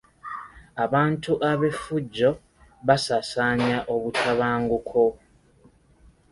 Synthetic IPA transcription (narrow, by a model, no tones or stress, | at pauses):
aβaːntuʔaβe̞fuɟːo̞ | βasasaːɲaʔo̞βutʰaβaːŋɡukʰo̞